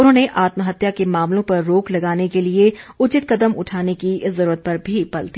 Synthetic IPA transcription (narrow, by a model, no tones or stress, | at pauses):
ʊnɦõːneʔaːt̪məɦɐt̪jakemaːmlõpɐɾːoːklɐɡaːnekelieʊt͡ʃɪt̪kɐd̪əmʊ̰ʈʰaːnekiɪszɐɾuːɾət̪̚pɐɾbʱipɐlt̪i